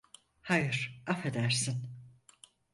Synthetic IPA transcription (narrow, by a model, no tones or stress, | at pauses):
hajɯɾ̥afed̪æɾsin